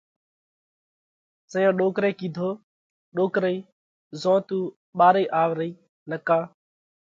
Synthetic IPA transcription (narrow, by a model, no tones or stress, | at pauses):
səjãːɗoːkɾeːkiːd̪ʱoː | ɗoːkɾəiː | zõːt̪uː | ɓaːɾeiːʔaːʋɾəiː | nəkaː